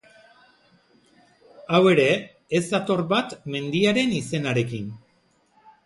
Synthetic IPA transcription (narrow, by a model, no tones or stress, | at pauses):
awe̞ɾe̞ː | zd̪at̪o̞ɾβat̪me̞nd̪iaɾe̞nise̞naɾe̞kin